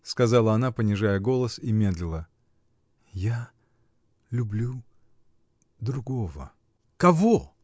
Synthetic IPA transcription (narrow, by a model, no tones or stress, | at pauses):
skɐzɑlˠəɐnapənʲɪʐajəɡo̞lˠəsimʲe̞d̪lʲɪlˠə | ja | lʲʊblʲu | d̪ɾʊɡo̞və̰ | kɐvo